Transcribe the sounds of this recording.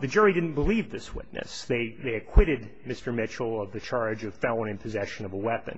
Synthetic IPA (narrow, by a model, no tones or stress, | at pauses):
ðɨd͡ʒʊɹidɪdⁿn̩b̥əlivðɪswɪ̰tⁿnɨ̰sðeɪðeɪɨkʰw̥ɪɾɨd̚mɪstə˞mɪt͡ʃl̩ˠʌvðɨt͡ʃʰɑɹd͡ʒʌv̥faʊə̃nɨ̃npʰɨzɛʃɨ̃nʌvəwɛpɨ̰̃n